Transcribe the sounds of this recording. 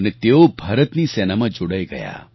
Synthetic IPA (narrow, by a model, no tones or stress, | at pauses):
net̪eobʱəɾət̪nisɛnamãd͡ʒoɽəjɡə̰ja̰